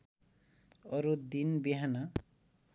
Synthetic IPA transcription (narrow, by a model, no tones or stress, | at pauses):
ʌɾud̪inbiɦana